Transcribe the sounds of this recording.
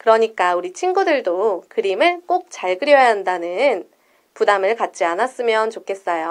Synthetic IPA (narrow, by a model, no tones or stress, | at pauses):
kɯɾʌɲik͈auɾit͡ɕʰinɡudɯɭdokɯɾimɯɭk͈ok̚t͡ɕaɭɡɯɾjʌaɦandanɯn | pudamɯɭkat̚t͡ɕ͈ianas͈ɯmjʌnt͡ɕokʰe̞s͈ʌjo